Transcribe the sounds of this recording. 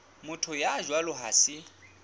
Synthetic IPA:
mʊtʰʊjad͡ʒwalʊɦa̰ːsɪ

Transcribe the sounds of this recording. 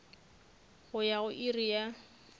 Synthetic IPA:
hʊjaʊʔirija

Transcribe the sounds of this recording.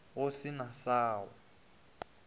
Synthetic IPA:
osinasaːwɔ

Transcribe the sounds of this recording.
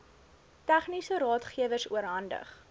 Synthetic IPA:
tæχnisəɾɑːtχiəvərsuəɾɦɐndə̰χ

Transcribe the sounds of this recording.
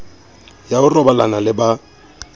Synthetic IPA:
jaʊrɔbalanalɪba

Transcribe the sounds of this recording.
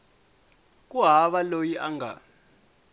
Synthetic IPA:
k̬ʼuɦaβalojiʔaŋɡa̰

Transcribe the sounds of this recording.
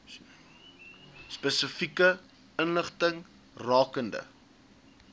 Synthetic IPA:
spɛsəfikə | ənləχtəŋ | rɑːkəndə̰

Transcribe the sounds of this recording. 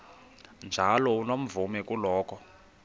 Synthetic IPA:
nd͡ʒʱalɔunom̩vumɛkulɔːkɔ

